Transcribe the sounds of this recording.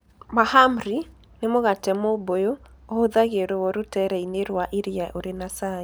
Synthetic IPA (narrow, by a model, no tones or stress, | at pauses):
mahamɾi | nemoɣatɛmobojoɔhoðaɣeɾoɔɾotɛɾɛineɾwaʔiɾiaʔoɾenasae